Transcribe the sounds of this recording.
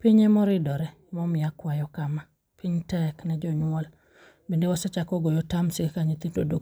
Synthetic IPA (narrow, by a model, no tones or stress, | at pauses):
piɲɛmɔɾidɔɾɛ | mɔmijakwajɔkama | piɲtɛknɛd͡ʒɔɲwɔl | bindewɔsɛt͡ʃakɔɡojɔtamsikkaɲit̪ito̰do